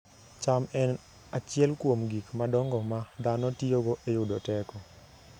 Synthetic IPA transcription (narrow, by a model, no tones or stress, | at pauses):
t͡ʃamɛn | at͡ʃɪɛlkwomɡikmadɔŋɡɔmad̪anɔtioɡoʔejʊdotɛkɔ